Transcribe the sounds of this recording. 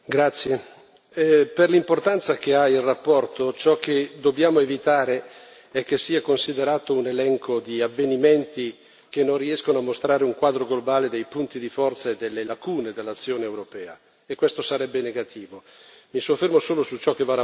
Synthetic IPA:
ɡɾat̪sːje | perlimport̪ant̪sak̟eailrapːɔrt̪ot͡ʃɔkːed̪obːjaːmoevit̪aːɾe | ɛk̟ːesːiːakonsid̪eɾaːt̪ounelɛŋkod̪iavːeniment̪i | k̟enːonriɛskonoamːost̪ɾaːɾeuŋkwaːd̪ɾoɡlobaːled̪ejpunt̪id̪ifɔrt̪saed̪elːelakuːned̪elːat̪sːjoːneːwɾopɛːa | ekːwest̪osaɾɛbːeneɡat̪ʰiːvomisofːermosoːlosut͡ʃɔkːevaa

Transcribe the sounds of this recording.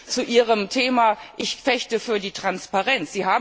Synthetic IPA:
t͡suʔiːʁəmtʰeːmaːʔɪçfɛçtəfyːɐdiːtʁ̥anspaʁɛnsz̥iːɦaːb

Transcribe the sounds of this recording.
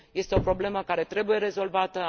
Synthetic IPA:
je̞st̪eo̞pɾo̞ble̞məkaɾe̞t̪ɾe̞buje̞ɾe̞zo̞lvat̪ə

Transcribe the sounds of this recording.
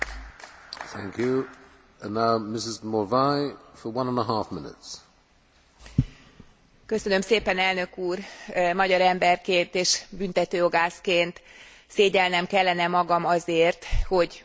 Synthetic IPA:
θæ̰̃ŋkʰjʉ | ə̃nːaʊmɪsɪzmɔvaɪfəwʌ̃nə̃nəɦɑˑfmɪnɪ̰ts | kø̞sønø̞mseːpɛnɛlnø̞kuːrmɒɟɒɾɛmbɛrkeːnt̪eːʃbynt̪ɛt̪øːjoɡaːskeːnt̪ | seːɟɛlnɛmkɛlːɛnɛmɒɡɒmɒzeːrt̪ho̞ɟ

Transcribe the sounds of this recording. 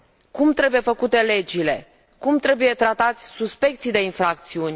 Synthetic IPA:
kumt̪ɾe̞buje̞fəkut̪e̞le̞d͡ʒile̞ | kumt̪ɾe̞buje̞t̪ɾat̪at̪sʲsuspe̞k̚t̪sijd̪e̞infɾakt̪siunʲ

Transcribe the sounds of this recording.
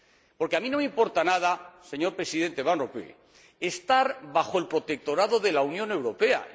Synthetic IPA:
po̞ɾkeamĩno̞meimpo̞ɾt̪anað̞ase̞ɲo̞ɾpɾe̞siðe̞nt̪eβanropḛ | est̪aɾβaxoe̞lpɾo̞t̪ek̚t̪o̞ɾaðo̞ðe̞launjõne̞wɾo̞pe̞a̰

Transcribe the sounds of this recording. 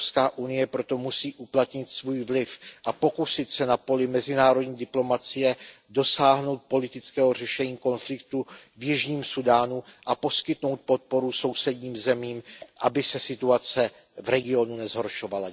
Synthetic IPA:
pskaːʔunɪjɛpɾo̞t̪o̞musiːʔuplat̪ɲɪt̪svuːjvlɪfʔapo̞kusɪt̪sɛnapo̞lɪmɛzɪnaːɾodɲiːdɪplo̞mat͡sɪjɛ | do̞saːɦno̞wt̪̚po̞lɪt̪ɪt͡skɛːɦor̝ɛʃɛɲiːko̞nflɪkt̪uvjɪʒɲiːmsudaːnuʔapo̞skɪt̪no̞wt̪̚po̞t̪̚po̞ɾuso̞wsɛdɲiːmzɛmiːmʔabɪsɛsɪt̪uat͡sɛ | vɾɛɡɪo̞nunɛzɦo̞ɾʃo̞vala

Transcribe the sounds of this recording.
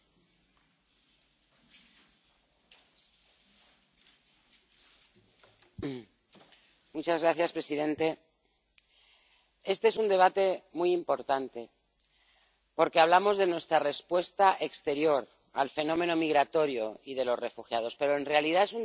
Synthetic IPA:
mut͡ʃazɣɾaθjaspɾe̞siðẽ̞nt̪e̞ | e̞st̪e̞esund̪e̞β̞at̪e̞mujimpo̞ɾt̪ant̪e̞ | po̞ɾke̞aβ̞lamo̞zðe̞nwe̞st̪ɾare̞spwe̞st̪aʔekst̪e̞ɾjo̞ɾ | a̰lfe̞nõ̞mẽ̞nomiɣ̞ɾat̪o̞ɾjo̞ið̞e̞lo̞zre̞fuxjað̞o̞spe̞ɾo̞e̞nre̞alið̞ae̞su

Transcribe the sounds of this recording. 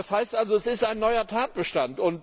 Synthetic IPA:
ashaɪstʔalzoɛsɪstaɪnːɔʏɐtʰaːt̚b̥əʃtantʊnt

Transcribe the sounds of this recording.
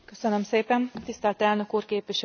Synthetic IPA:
køsønømseːpɛnt̪ist̪ɛlt̪ɛlnø̞kuːrkeːpʋiʃ

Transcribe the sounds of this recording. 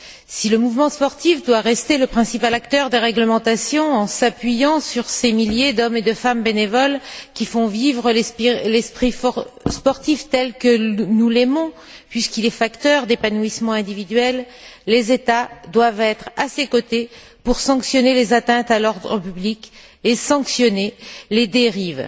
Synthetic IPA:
siləmuvmɑ̃spɔʁt̪ifd̪waʁɛst̪eləpχɛ̃sipalakt̪œʁd̪eʁɛɡləmɑ̃t̪asjɔ̃ɑ̃sapɥijɑ̃syʁsemiljed̪ɔmed̪əfambenevɔlkʲifɔ̃vivʁəlɛslɛspχifspɔʁt̪ift̪ɛlkənulemɔ̃ | pɥiskilɛfakt̪œʁd̪epanuismɑ̃ɛ̃d̪ivid̪ɥɛlː | ezet̪ad̪wavɛt̪χasekot̪e | puʁsɑ̃ksjɔnelezat̪ɛ̃t̪alɔʁd̪ʁəpyblik | esɑ̃ksjɔneled̪eʁiːv

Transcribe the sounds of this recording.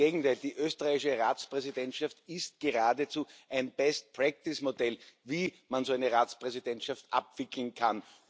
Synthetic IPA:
eːɡŋ̩tʰaɪldiːʔøːstəʁaɪɪʃəʁaːt͡spʁ̥ɛzɪdɛntʃaftɪst̚ɡ̥əʁaːdət͡suːʔæɪnb̥ɛst̚pʁɛk̚tɪsmodɛlviːmanzoæɪnəʁaːt͡spʁ̥ɛzid̥ɛntʃaftʔa̰pv̥ɪkl̩n̩kʰan

